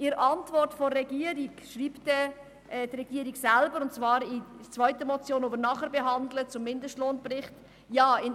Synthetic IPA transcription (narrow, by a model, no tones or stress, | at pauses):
ʔɪɾʔɑntvɔrtfɔrːɛɡiəɾikʃriːptɛ | ɛdrɛɡ̥iəɾiɡsælbəɾʊntt͡svɑːɾit͡svœʏtəmɔt͡sjoːnoːbəɾnɑχəɾbɛɦɑndlət͡sʊmːɪndəʃtloːnprɪχt | jɑːɪn